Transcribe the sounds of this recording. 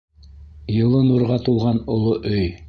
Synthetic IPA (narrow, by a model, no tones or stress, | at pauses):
jɤ̆lˠɤnuɾʁɑt̪ulˠʁɑnŏlˠoʔɵj